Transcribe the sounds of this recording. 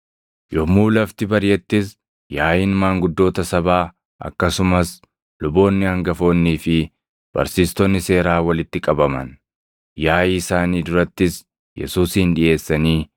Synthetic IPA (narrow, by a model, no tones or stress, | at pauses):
jɔmuːlɐft̪ɪbɐɾjɛt̪ːɪs | jaːjɪnmaːŋɡʊd̪ːo̞ːt̪ɐsɐbaː | ʔɐ̰kːɐsʊmɐs | lʊbo̞ːnːɪhɐŋɡɐfo̞ːnːiːfɪ | b̥ɐ̰ɾsiːst̪ɔnːɪse̞ːɾaːwɐlɪt̪ːɪkʼɐbɐmɐ̰n | jaːjsaːniːd̪ʊɾɐt̪ːɪs | jɛ̰suːshɪnᶑɪʔe̞ːsːɐniː